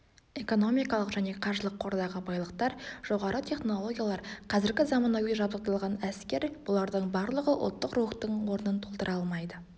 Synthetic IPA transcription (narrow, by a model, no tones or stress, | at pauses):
e̞ko̞no̞mijkɑlˠəqʒæne̞qʰɑɾʒəlˠəqʰːo̞ɾd̪ɑʁəbɑjlˠəqt̪ɑɾʒ̥o̞ʁɑɾət̪ʲʰe̞χno̞lˠo̞ɡʲijalˠɑɾqʰɑzɪɾɡʲɪzɑmɑnɑwiʒɑbd̪əq̚t̪ɑlˠʁɑnæskʲe̞ɾb̥ʊlˠɑɾd̪əɴbɑɾlˠəʁəʔʊ̰lˠt̪ːəqruəχt̪əɴwo̞ɾənənt̪ʰo̞lˠt̪əɾʔɑlˠmɑjd̪ə